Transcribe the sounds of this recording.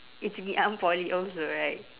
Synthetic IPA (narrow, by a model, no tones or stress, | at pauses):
ɪtsbiʔãnpɔliʔɔlsoɹaɪt̚